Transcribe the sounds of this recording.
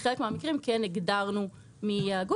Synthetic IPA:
χelekmeamikʁimkeneɡdaʁnu | miaɡu

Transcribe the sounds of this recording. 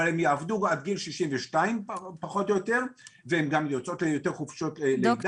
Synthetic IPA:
alemjaavd̪uɡad̪ɡilʃiʃimveʃtaimpaχo̞t̪ojot̪e̞ʁvehemɡamjot͡so̞t̪lejot̪eʁχufʃo̞tled

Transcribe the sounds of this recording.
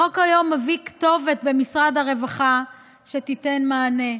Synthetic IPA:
okajo̞mːavikt̪o̞ve̞t̪̚be̞misʁad̪haʁe̞vaχa | ʃetitenmaːne̞

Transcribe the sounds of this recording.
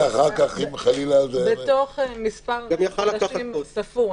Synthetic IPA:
aχaʁkaχimχalilazebet̪oχmispaʁɡamjaχalakaʃaimsɐfu

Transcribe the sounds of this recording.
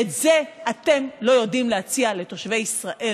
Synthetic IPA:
etze̞ate̞mlo̞jo̞dimleat͡siale̞to̞ʃve̞jisʁaʔe

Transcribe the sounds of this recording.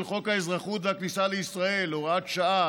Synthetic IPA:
lχo̞khaezʁaχut̪vehaknisaleisʁae̞loʁatʃaʔa

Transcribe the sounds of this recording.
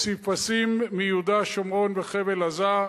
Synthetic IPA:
sipasimːijud̪aʃomʁo̞nveχevelaza

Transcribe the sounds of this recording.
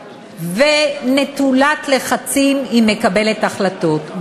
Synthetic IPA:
vene̞t̪ulat̪le̞χat͡simimːe̞kabe̞le̞t̪aχlat̪o̞t

